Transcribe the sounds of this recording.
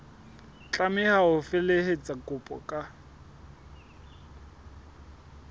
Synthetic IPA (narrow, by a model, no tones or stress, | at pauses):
t͡ɬʼamɪhaʊfɪlehet͡sʼakʼʊpʼɔ̰kʼa